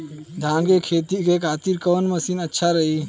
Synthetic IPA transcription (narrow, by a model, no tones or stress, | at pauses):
d̪ʱãːŋɡekʰeːt̪ikekʰaːt̪iɾkoːnməsiːnətːʃʰaɾəɦiː